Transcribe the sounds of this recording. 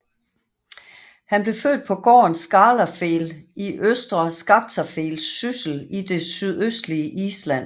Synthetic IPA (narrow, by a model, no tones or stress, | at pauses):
hænb̥le̝fø̰ːd̥̚pʰɒ̽ɡ̥ɒ̰ːnsɡ̥ɑ̈ːlɐfeːliʔøsd̥ʁɐsɡ̥ɑ̈b̥̚t͡sʰɐfe̝̰ːlsːysl̩id̥e̝syðˠøsd̥liəʔiːslæn̰